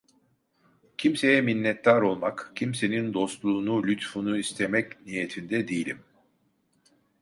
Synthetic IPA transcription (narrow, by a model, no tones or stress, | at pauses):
cʰimse̞jɛminːɛt̪ːaɾo̞lˠmakcʰimse̞nind̪o̞st̪lˠuːnulʲyt̪funuist̪ʰemɛcnijet̪ʰind̪ɛd̪ejilʲim